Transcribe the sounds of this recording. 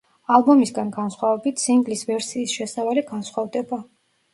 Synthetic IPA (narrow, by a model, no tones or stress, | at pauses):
alˠbɔmisɡanɡansχwavɛbit̪ʰsiŋɡlisvɛɾsiːsʃɛsavaliɡansχwavd̪ɛba